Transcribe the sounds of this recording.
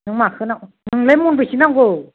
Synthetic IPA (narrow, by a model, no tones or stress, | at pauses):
nɯŋmakʰɯnaknɯŋlemunbɯjsinaŋɡow